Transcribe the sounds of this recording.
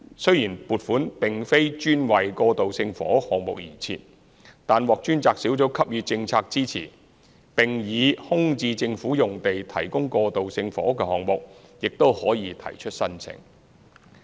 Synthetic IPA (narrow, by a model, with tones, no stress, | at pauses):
sɵ˥ɥjiː˨˩npuː˨t̚fuː˨˥npɪ˨˩ŋfe˥jt͡ʃyː˥nwɐ˨jkɔː˧t̪o˨wsɪ˧ŋfɔ̰ː˨˥hɔː˨ŋmʊ˨k̚jiː˨˩t͡sʰḭː˧t̚ | t̪aː˨nwɔː˨k̚t͡ʃyː˥nt͡saː˧ksiː˨˥wt͡so˨˥wkʰɐ˥p̚jyː˨˧t͡sɪ˧ŋt͡sʰaː˧k̚t͡siː˥t͡sʰḭː˨˩ | pɪ˨ŋjiː˨˧hʊ˥ŋt͡siː˧t͡sɪ˧ŋfuː˨˥jʊ˨˩ŋt̪e˨jt̪ʰɐ˨˩jkʊ˥ŋkɔː˧t̪o˨wsɪ˧ŋfɔ̰ː˨˥kɛː˧hɔː˨ŋmʊ˨k̚jɪ˨k̚t̪o˥whɔː˨˥jiː˨˧t̪ʰɐ̰˨˩jt͡ʃʰɵ˥t̚sɐ˥nt͡sʰɪ̰˨˩ŋ